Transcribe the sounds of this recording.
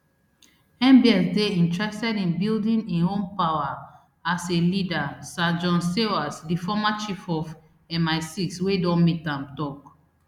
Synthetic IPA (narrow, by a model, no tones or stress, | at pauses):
ɛ̃mbiɛ̃sdeĩntɹɛstɛdĩnbildĩnĩnõmpawa | aselidasad͡ʒɔ̃nsewasdifɔmat͡ʃifɔf | ɛmaɪsikswedɔ̃nmitãmtɔk